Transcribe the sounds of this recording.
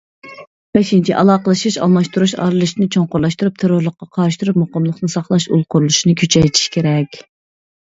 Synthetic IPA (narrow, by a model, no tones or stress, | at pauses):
b̥ɛʃint͡ʃʰiʔɑlˠɑːqəlˠɨʃiʃɑ̰lˠmɑʃt̪uɾuʃɑ̰ːɾɨlˠɨʃnɨt͡ʃʰoɴqʊɾlˠɑʃt̪uɾup̚t̪ʰeɾʊɾlˠəχqːɑqʰɑɾɨʃt̪uɾupmoqəmlˠəχnɨnsɑχlˠɑʃṵlˠqʰʊɾulˠuʃinɨkʲʰøt͡ʃʰɛjt̪ʰi̥ʃkʲʰeɾɛkʲ